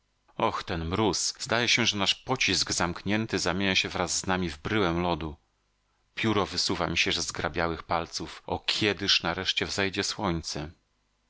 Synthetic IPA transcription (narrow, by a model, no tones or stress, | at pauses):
ɔxt̪ɛnmɾusz̥d̪ajɛɕɛʐɛnaʂpɔt͡ɕizɡzamkɲɛnt̪ɘzamʲeɲaɕɛvɾazːnamʲivbɾɘwɛmlɔd̪u | pʲjuɾɔvɘsuvamʲiɕɛʐzɡɾa̰bʲjawɘxpalt̪sufɔ̰kʲʰɛd̪ɘʂnaɾɛʂt͡ɕɛvzɛjd͡ʑɛswɔɲt̪sɛ